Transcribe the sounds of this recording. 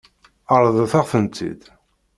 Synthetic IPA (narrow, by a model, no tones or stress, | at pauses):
əɾˤðˤəθaʁθənt͡s̪ːḭd̪